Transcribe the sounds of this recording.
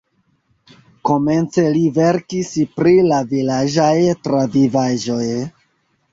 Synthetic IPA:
ko̞me̞nt͡se̞live̞ɾkispɾilavilaʒajtɾavivaʒo̞j

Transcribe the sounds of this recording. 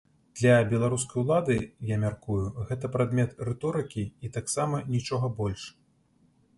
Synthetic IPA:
d̪̥lʲɐbʲɛlˠaɾuskɐjulˠad̪ɨjamʲarkujuɣɛt̪ɐpɾad̪mʲɛt̪rɛt̪ɔɾɨkʲiit̪aksamɐnʲit͡ʂɔɣɐbɔlʲʂ

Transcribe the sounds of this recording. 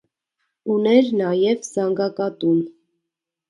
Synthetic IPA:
unɛɾnɑjɛvzɑŋɡɑkɑt̪un

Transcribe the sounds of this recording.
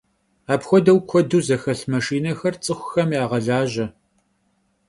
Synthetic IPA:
aːpxʷɔdɐwkʷʰɔduːzɐxɐɬmɐʂiːnɐxɐrt͡sʼɨxʷʊ̥xɐmjaːʁɐɮaːʒɐ

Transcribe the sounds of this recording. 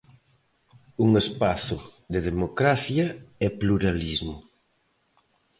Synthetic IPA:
uŋespaθʊðeðemokɾaθjɐɛpluɾalizmʊ

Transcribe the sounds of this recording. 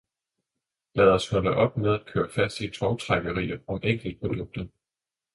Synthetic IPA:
lɛːð̞ˠɒshɒ̽lɐʔɒ̽b̥með̞ˠæd̥̚kʰø̰ːɐfæsd̥it͡sʰɒʊt͡sʰʁɑɡ̥əʁḭːɐɒ̽meŋ̰ɡ̥l̩d̥̚pʰʁo̝d̥ɔ̽ɡ̥̚d̥ɐ

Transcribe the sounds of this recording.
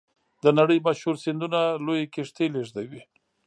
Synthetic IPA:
d̪ənaɽəjmaʃhuɾsɪnd̪unalojekɪʂt̪eleʐd̪awi

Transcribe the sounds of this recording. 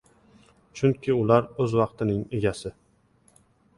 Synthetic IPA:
t͡ʃʰʊŋkʲʰɪʊlaɾɵzwɑqt̪ʰɪnɪŋe̞ɡʲasɪ

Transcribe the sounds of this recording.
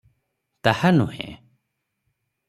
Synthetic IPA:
t̪ahanuhɛ̰̃

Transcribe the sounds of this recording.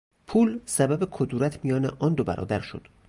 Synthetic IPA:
pʰuːlsæbæbekʰod̪uːɾæt̪ʰmijɒːnḛʔɒːnd̪obæ̰ɾɒ̰ːd̪æɾʃo̰d̪̥

